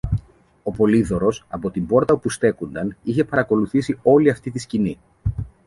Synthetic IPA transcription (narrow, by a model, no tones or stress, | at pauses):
o̞po̞liðo̞ɾo̞sɐpo̞t̪imbo̞ɾt̪ɐpust̪e̞kund̪ɐniçe̞pɐɾɐko̞luθisio̞liɐft̪it̪iscini